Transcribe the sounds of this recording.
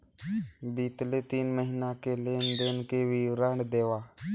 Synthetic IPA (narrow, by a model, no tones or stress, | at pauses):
biːt̪let̪iːnməɦinakelend̪enkeʋiɾəɳɖd̪eʋa